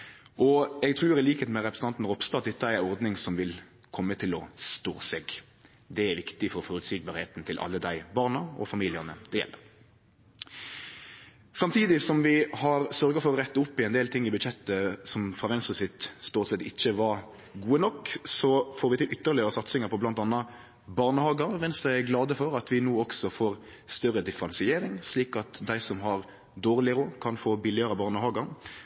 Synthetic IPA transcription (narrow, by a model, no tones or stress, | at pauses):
ʔɔɛɡ̚t̪ʰɾʉːɾɪliːkheːt̪mɛɾɛpɾəsn̩t̪ɑnt̪n̩ʁɔpst̪ɑt̪̚d̪ɛt̪ːəæɾæɔɾd̪nɪŋsɔmʋɪl | kʰɔmːət̪ʰɪlɔst̪o̰ːsɛːɡ | d̪ɛæɾʋɪkt̪ɪfɔɾɔfɔɾʉt̪sik̚bɑːɾhḛːt̪n̩t̪ʰɪlʔɑ̰lːəd̪æɪbɑʁnɑɔ̰fɑmiːlɪənəd̪ɛjɛ̰lːə̰ɾʁ | sɑmt̪ʰiːd̪ɪsɔmʋɪhɑɾsœɾɡəfɔɾɔɾɛt̪ːəʊpːɪɛnd̪eːlt̪ʰɪŋːɪbʉd̪çɛt̪ːəsɔmfʁɑːʋɛnst̪ʁəsɪt̪st̪oːt̪sɛt̪ɪçːəʋɑɾ | ɡuːənɔkːsɔfoːɾʋɪt̪ɪlʔʏt̪ːəɾlɪəɾəsɑt̪sɪŋəɾpʰɔblɑnt̪ɑnːɑ | bɑːʁnəhɑːɡəɾʋɛnst̪ʁəæɡlɑːd̪əfɔɾɑt̪ʋɪnoːɔksɔfoːʁ | st̪œɾːəd̪ɪfəɾɑnsɪeːɾɪŋsliːkɑt̪d̪æɪsɔmɦɑʁ | d̪oːʁlɪɾʊkʰɑnfoːbɪlɪəɾəbɑːʁnəhɑːɡəɾ